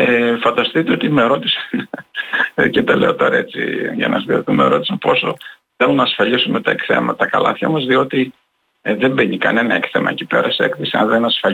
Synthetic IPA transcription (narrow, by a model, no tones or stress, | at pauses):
efɐnd̪ɐst̪it̪eo̞t̪imeɾo̞t̪isɐ̥n | cet̪ɐle̞ot̪o̞ɾɐet͡sḭʝɐ̰nɐsðioθumeɾo̞t̪isɐnpo̞so̞̰ | θelumnɐːsfɐʎisumet̪ɐekθe̞̰mɐt̪ɐkɐlɐ̰θçɐ̰mɐzðio̞t̪i | ðe̞mbeɲikɐ̰ne̞nɐekθe̞mɐ̰ecipe̞̰ɾɐseekθesiɐ̰nðenɐsfɐ